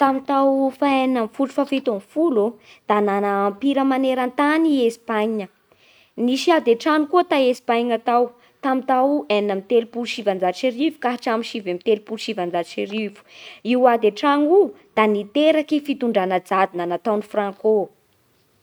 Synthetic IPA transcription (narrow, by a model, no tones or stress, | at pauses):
t̪amit̪awfaennamfuʈ͡ʂu̥fafet̪omfulud̪̥ananaːmpiɾəmaneɾant̪aniespaɲə | niʃiad̪eʈ͡ʂaŋukuət̪aespaɲat̪aw | t̪amit̪aweninamit̪elupulʃivand͡zat͡ʃiɾivu̥kaɦaʈ͡ʂamiʃivemit̪elupulʃivand͡zaʃiɾivu̥iwad̪eʈ͡ʂaŋu | d̪̥anit̪eɾakifit̪uɳɖ͡ʐanəd͡zad̪inanat̪awnifrãŋko